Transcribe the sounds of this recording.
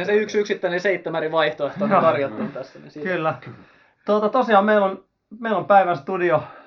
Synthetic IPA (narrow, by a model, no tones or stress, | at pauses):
eseyksyksit̪ːæineseit̪ːemæriʋɑiht̪oeht̪okɑrjot̪ːɑnt̪æsːænḭskylːæ | t̪ot̪ɑt̪osiɑːˑmmeilon | meilompæiʋænst̪udio